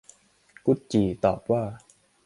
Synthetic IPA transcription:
ku˦˥t̪̚t͡ɕiː˨˩t̪ɔː˨˩p̚waː˥˩

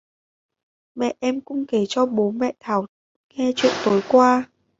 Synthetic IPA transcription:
mɛ̰˧˨ʔʔɛ˧mkʊ̰˧˥ŋ͡mke˧˩t͡ɕɔ˧ɓo˨˦nmɛ̰˧˨t̪ʰaː˧˩w | ŋɛ˧t͡ɕwḭ˧˨ənt̪o˨˦jkwaː˧

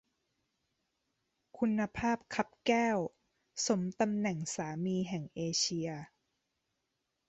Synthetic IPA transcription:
kʰu˧nːa˧pʰaː˥˩p̚kʰa˦˥p̚kɛː˥˩w | so˩˦mt̪a˧mnɛ˨˩ŋsaː˩˦miː˧ɦɛ˨˩ŋʔeː˧t͡ɕʰi˧ɐ

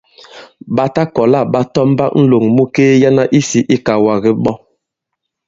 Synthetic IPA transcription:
ɓa˦ta˦kɔ˨la˦˨ɓa˦tɔ˦m˦ba˦n̩˦lo˨ŋmu˦keː˦ja˦na˦ʔi˦si˨ʔi˦ka˨wa˨ɣi˦ɓɔ˦

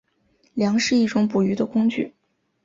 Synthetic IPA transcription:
ljɑ˧˥ŋʂɻ̩˥˧i˥˩ʈ͡ʂʊ˧˥ŋpu˨˩y˧˥d̪ə˧kʊ˥ŋt͡ɕy̰˥˩

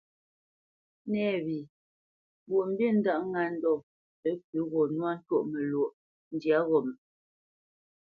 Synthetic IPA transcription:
nɛ˦˨bi˨ | bo˨ʔm̩˦be˦˨n̩˦da˦ʔŋa˨n̩˦dɔ˦˨ | ə˨˦k̚ʉ˨˦ɣɔ˨nwa˦n̩˦two˦ʔme˨lwo˨ʔ | n̩˦dja˨˦ɣɔ˨m˨

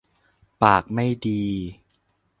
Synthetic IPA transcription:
paː˨˩k̚ma˥˩jdiː˧

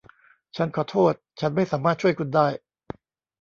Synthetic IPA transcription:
t͡ɕʰa˦˥˩nkʰɔː˩˦t̪ʰoː˥˩t̪̚t͡ɕʰa˦˥nma˥˩jsaː˩˦maː˥˩t̪̚t͡ɕu˥˩əjkʰu˧ndaː˥˩j

